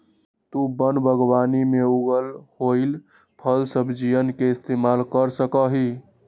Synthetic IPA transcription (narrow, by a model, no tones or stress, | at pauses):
t̪ubənbʱəɡbanimeuɡəlhoɪl | pʰəlsəbʱd͡ʒijənkeɪst̪emalkəɾsəkəɦi